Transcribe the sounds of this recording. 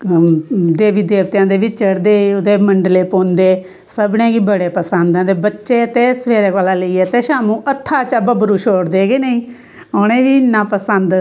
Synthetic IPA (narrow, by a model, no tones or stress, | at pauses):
d̪eːʋiːd̪eːʋt̪jãːd̪eːʋɪt͡ʃt͡ʃəɽd̪eːiʊd̪eːməɳɖleːpoːnd̪eː | səbnẽːɡiːbəɽeːpəsənd̪ãːd̪eːbətːʃeːət̪eːsəʋeːɾeːkaːlaːləiːɛːt̪eːʃaːmũːʔət̪ʰːaːt͡ʃəbəbəɾuːʃoːɽd̪eːɡeːnəĩː | oːnẽːʋiːnːãːpəsənd̪